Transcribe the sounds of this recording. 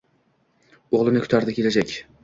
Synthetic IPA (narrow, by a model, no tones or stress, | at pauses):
oʁlˠɪnɪkʰt̪ʰaɾd̪ɪkʰʲelad͡ʒakʲ